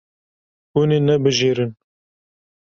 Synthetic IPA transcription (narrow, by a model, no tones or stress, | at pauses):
unenɛbɨʒeːɾɨn